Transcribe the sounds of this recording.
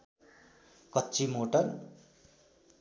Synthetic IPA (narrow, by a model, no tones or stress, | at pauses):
kʌtːt͡simoʈʌr